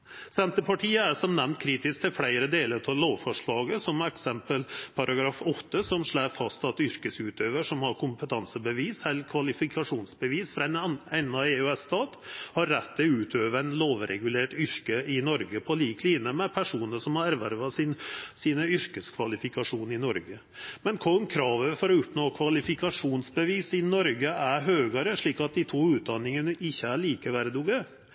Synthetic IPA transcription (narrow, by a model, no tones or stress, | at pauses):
sɛnt̪əpʰɑʈʰiːəæʂɔmnɛmnt̪̚kʰɾiːt̪ɪsk̚t̪ʰɪlfɽæɪɾəd̪eːləɾt̪ʰɑloːʋfɔʂɭɑːɡəsɔmɛksɛmpəlpʰɑɾʔɑɡɾɑːfɔt̪ːəsɔmʂɭæːfɑst̪ɑt̪ʏɾkəsʉːt̪ʰøːʋəʂɔmhɑɾkʰʊmpət̪ʰɑnsəbəʋiːsɛlkʰʋɑlɪfɪkʰɑʂuːnsbəʋiːsfɾɑɛnɛnːɑeʉɛst̪ɑːt̪hɑɾːɛt̪ːɪlʉːt̪ʰøːʋəænloːʋɾʔɛ̰ɡʉleːʈʏɾkəɪnɔɾɡəpʰɔliːkʰliːnəmɛpʰæʂuːnəʂɔmhɑɾæɾʋæɾʋɑsɪnsiːnəʏɾkəskʰʋɑlɪfɪkɑʂuːnɪnɔɾɡə | mɛnkʰɔmkʰɾɑːʋəfɔɾɔʊpnoːkʰʋɑlɪfɪkɑʂuːnsbəʋiːsɪnɔɾɡəæɾɦøːɡəɾəʂɭiːkɑt̪̚d̪ɪt̪ʰuːʉːt̪̚d̪ɑnɪŋənəʔɪçːəæɭiːkəʋæɾəd̪uɡə